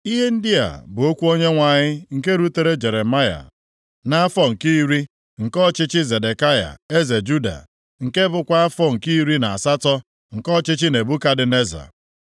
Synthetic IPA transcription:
i˦ɦe˦n̩˦dɪ˦a̰˨bʊ˨o˦kʷu˦o˦ɲe˦ŋʷa˨ɲɪ˦ŋ̩˨ke˦ɾu˦te˨ɾe˦d͡ʒe˨ɾe˨ma˦ja̰˨ | na˦a˦fɔ˦ŋ̩˨kiː˦ɾi˦ | ŋ̩˨kɔ˦t͡ʃɪ˦t͡ʃɪ˦ze˨de˨ka˦ja̰˨e˦ze˨d͡ʒu˦da̰˨ | ŋ̩˨ke˦bʊ˦kʷa˦a˦fɔ˦ŋ̩˨ki˦ɾi˦na˨a˨sa˦tɔ˦ | ŋ̩˨kɔ˦t͡ʃɪ˦t͡ʃɪ˦ne˨bu˦ka˦dɪ˨ne˦za̰˨

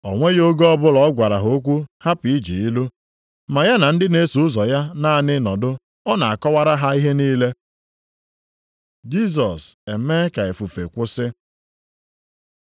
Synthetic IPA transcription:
ɔ˨ŋʷe˦ɣo˦ɡɔ˦bʊ˦lɔ˨˦ɡʷa˨ɾa˨ɦo˦kʷu˦ha˦pi˨˦d͡ʒḭ˨i˦lu˦ | ma˨ja˦na˨n̩˦dɪ˦ne˦su˨ʊ˦zɔ˨ja˦na˦˨nɪ˦nɔ˨dʊ˦ | ɔ˦na̰˨a˨kɔ˦wa˦ɾa˦ɦa˦i˦ɦe˦niː˦le˦ | d͡ʒi˦s̬ɔ˨se˨˦me˦ka˨e˨fu˨fḛ˨kʷʊ˦sɪ˦

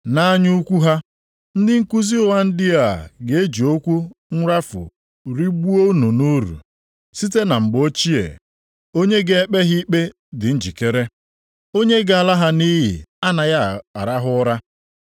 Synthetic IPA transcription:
na˦a˦ɲu˦kʷu˦ɦa˦ | n̩˦dɪ˦ŋ̩˦ku˦zi˦ʊ˦˨wa˦n̩˦dɪ˦a˨ɡe˨e˦d͡ʒi˨o˦kʷu˦ŋ̩˦ɾa˦fʊ̰˨ | ɾi˦ɡ͡bu˦o˦u˦nu˨nu˦ɾṵ˨ | si˦te˦na˨ŋ͡m̩˨ɡ͡bo˦t͡ʃi˦ḛ˨ | o˦ɲe˦ɡe˦e˦k͡pe˦ɦi˦k͡pe˦ | dɪ˨n̩˦d͡ʒi˨ke˦ɾe˦ | o˦ɲe˦ɡa˨la˦ɦa˦ni˦ɦḭ˨a˦na˨ja˦a̰˨ɾa˦ɦʊ˦ɾa˦

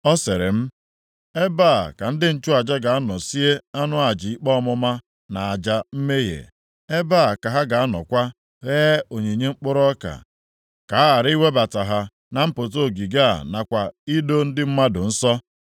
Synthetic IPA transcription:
ɔ˦se˨ɾɪ̰˨m̩˦ | e˦baː˦˨ka˨n̩˦dɪ˦n̩˨t͡ʃʊ˦a˨d͡ʒa˦ɡa˨a˦nɔ˨si˦e˦a˦nʊ˦a˨d͡ʒi˨i˦k͡pɔ˦ɔ˦mʊ˦ma˦ | na˨a˨d͡ʒa˨m̩˦me˦ɦḛ˨ | e˦ba˦˨ka˨ɦa˦ɡa˨a˦nɔ̰˨kʷa˦ | ɣeː˦o˨ɲe˨ɲe˦ŋ͡m̩˦k͡pʊ˦ɾɔ˦ka̰˨ | ka˨˦a˦a˨ɾɪ˦i˦we˦ba˨ta˨ɦa˨ | na˨m̩˦pʊ˨t̬o˦˨ɡi˨ɡa˦a̰˨na˨kʷa˨i˦do˦n̩˦dɪ˦m̩˦ma˦dʊ˨n̩˦sɔ˦

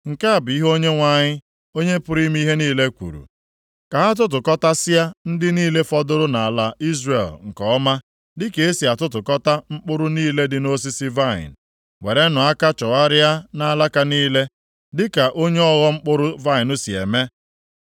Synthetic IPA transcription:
ŋ̩˨ka˦a˨bi˦ɦo˦ɲe˦ŋʷa˨ɲɪ˦ | o˦ɲe˦pʊ˦ɾi˦m˦i˦ɦe˦niː˦le˦kʷṵ˨ɾṵ˨ | ka˨ɦa˦t̬ʊ˦t̬ʊ˨kɔ˦ta˦sɪ˦ja˦n̩˦dɪ˦niː˦le˦fɔ˦dʊ˦ɾʊ˦na˨a˨la˨i˦zre˨lŋ̩˨kɔ˨˦ma˦ | dɪ˦ke˨e˦si˨a˨tʊ˦tʊ˨kɔ˦ta˦ŋ͡m̩˦k͡pʊ˦ɾʊ˦niː˦le˦dɪ˨no˦s̬i˦sɪ˦va˦˨ɪ̰˨n˨ | we˨ɾe˦nʊ˨a˦ka˦t͡ʃɔ˨ɣa˦ɾɪ˦a˦na˦˨˦la˦ka˦niː˦le˦ | dɪ˦ka˨ʔo˦ɲe˦ɔ˦ɣɔ˦ŋ͡m̩˦k͡pʊ˦ɾʊ˦va˦ɪ˨nʊ˦si˨ḛ˨me˦

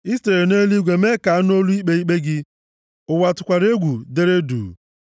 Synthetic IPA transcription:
i˦ste˨ɾe˨ne˦li˦ɡʷe˨me˦ka˨a˦n˦o˦lu˦i˦k͡pe˦i˦k͡pe˦ɡɪ˦ | ʊ˨wa˨tʊ˨kʷa˨ɾe˦ɡʷu˨de˦ɾe˦dṵː˨

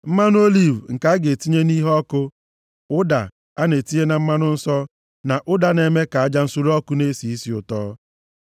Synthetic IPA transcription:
m̩˦ma˦nʊ˦o˦li˦˨vŋ̩˨ka˦a˦ɡe˨ti˦ɲe˦ni˦ɦɔ˦kʊ˦ | ʊ˦da̰˨ | a˦ne˨ti˦e˦na˨m̩˦ma˦nʊ˦n̩˦sɔ˦ | na˨ʔʊ˦da˨ne˨me˦ka˨a˦d͡ʒa˦n̩˦su˦ɾɔ˦kʊ˦ne˦si˨i˦si˦ʊ˨tɔ̰ː˦

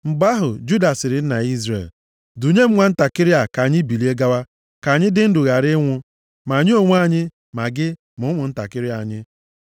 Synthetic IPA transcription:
m̩˨ɡ͡ba˦ɦʊ˨d͡ʒu˦da˨sɪ˨ɾɪ˨n̩˦na˨i˦zɾḛ˨l | du˨ɲe˦m̩˦ŋʷa˦n̩˦ta˨kɪ˦ɾɪ˦a˨ka˨ɲɪ˦bi˨li˦e˦ɡa˦wa˦ | ka˨ɲɪ˦dɪ˦n̩˦dʊ˨ɣa˨ɾɪ˦ŋʷʊ˦ | ma˨ɲɪ˦o˨ŋʷ˦a˦˨ɲɪ˦ | ma˨ɡɪ˦ | mʊ˨˦ŋʷʊ˨n̩˦ta̰˨kɪ˦ɾɪ˦a˨ɲɪ˦

